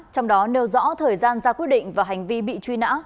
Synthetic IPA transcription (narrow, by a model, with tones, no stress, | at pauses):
t͡ɕɔ˧wŋ͡mɗɔ˨˦ne˨˧wzɔ̰˧˥t̪ʰəː˨˩jzaː˧nzaː˧kwi˦˥ət̚ɗḭ˧˨ŋ̟vaː˨˩ɦa˨˩jŋ̟vi˧ɓḭ˧˨t͡ɕwi˧na̰ː˧˥